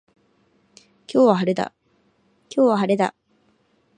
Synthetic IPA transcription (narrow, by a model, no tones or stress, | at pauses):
kʲo̞ːβahaɾe̞d̪a̰ | kʲo̞ːβaɦaɾe̞d̪a̰